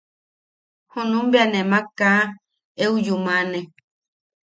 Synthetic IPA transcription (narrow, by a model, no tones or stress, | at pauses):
hõnũmbianẽmãkã | eud͡ʒumãnẽ